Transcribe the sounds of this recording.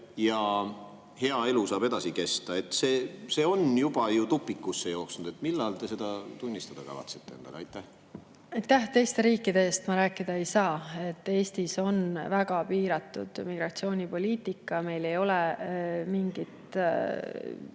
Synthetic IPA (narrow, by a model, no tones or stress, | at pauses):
jɑ | he̞ɑe̞lusɑːbe̞d̪ɑsike̞st̪ɑe̞t̪ːse̞ːse̞ːo̞njub̥ɑjut̪upːˑikːusːe̞jo̞ːksnud̪e̞t̪milːɑlt̪e̞se̞d̪̥ɑt̪unʲːist̪ɑd̪̥ɑkɑ̰vɑ̰t̪sit̪ˑːeend̪̥ɑ̰ɡɑɑ̰jt̪ˑːæh | ɑjt̪ːæht̪e̞jst̪e̞ɾiːkːˑid̪e̞est̪mɑɾæːkːˑid̪̥ɑejsɑːe̞t̪ːe̞ːst̪iso̞nvæɡ̥ɑpiːɾɑt̪ːˑṵd̪̥miɡrɑt̪sio̞ːnʲipo̞lʲiːt̪ikːˑɑme̞jle̞jo̞lɛmiŋɡ̥it̪